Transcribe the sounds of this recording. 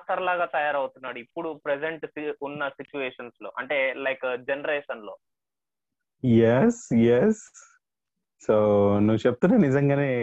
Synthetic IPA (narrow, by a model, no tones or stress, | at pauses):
ʈ̪ɐɾlaːɡaːt̪ɐjaːɾɐwt̪unːaːɽuipːuɽupɾed͡ʒeɳʈsiunːɐsit͡ʃuʋeːʂɐnslo̞ːʔɐɳʈe̞ːlɐjkd͡ʒenɐɾeːʂɐnlo̞ː | jesjes | oːnuʋːt͡ʃep̚t̪unːaːnizɐŋɡaːne̞ː